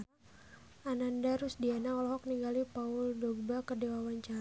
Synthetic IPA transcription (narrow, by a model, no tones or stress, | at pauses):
ʔanandaɾusdianaɔlɔɦɔk̚niŋɡalipaʊldɔɡ̚bakərdewawaɲt͡ʃaɾ